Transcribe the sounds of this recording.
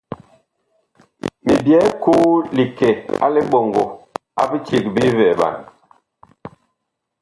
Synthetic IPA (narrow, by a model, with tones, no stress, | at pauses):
mi˨bjɛ˨˦ku˦li˨kɛ˨a̰˦li˦ɓɔ˨ŋɡo̰˨ | a̰˦bi˦t͡ʃi˨k̚bi˦vɛ˨ba̰˨n